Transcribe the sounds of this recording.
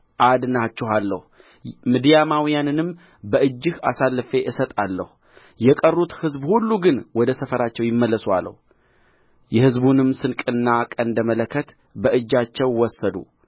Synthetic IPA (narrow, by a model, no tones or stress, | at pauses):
ʔad̪nat͡ʃːɛɦalːəhu | mid̪ijamawijanɨnɨm | bəʔɨd͡ʒːɨha̰salːɨfe̞ʔɨsət̪ʼalːəhu | jɛkʼərːut̪hɨzbhulːuɡɨnwɔd̪əsəfəɾat͡ʃːɛwjɪmːəlːəsua̰lːə̰hu | jɛhɨzbunɨmsɨnkʼɨnːakʼənd̪əmələkʰːət̪ | bəʔɨd͡ʒːat͡ʃːɛwwɔsːəd̪ṵ